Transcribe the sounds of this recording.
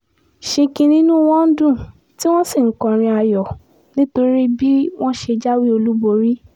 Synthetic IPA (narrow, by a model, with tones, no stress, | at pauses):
ʃĩ˧kĩ˧nĩ˦nũ˦w̃ɔ̃˦n̩˦dũ˦˨ | ti˦w̃ɔ̃˦si˦˨ŋ̩˨˦kɔ̃˨ɾ̃ĩ˧a˧jɔ˨ | nĩ˦to˧ɾi˦bi˦w̃ɔ̃˦ʃe˧d͡ʒa˦wi˦o˧lu˦bo˧ɾi˦